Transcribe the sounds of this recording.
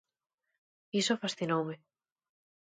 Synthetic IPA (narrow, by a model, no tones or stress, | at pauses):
isofasθinowmɪ